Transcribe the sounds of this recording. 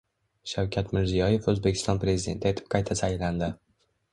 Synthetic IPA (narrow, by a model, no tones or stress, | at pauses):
ʃawkʲʰat̪mɪɾzijɒje̞fɵzbe̞kʲʰɪ̥st̪ɒnpɾe̞zɪd̪ʲe̞nt̪ʰːajet̪ʰɪ̥p̚qʰɑjt̪ʰasajland̪ɪ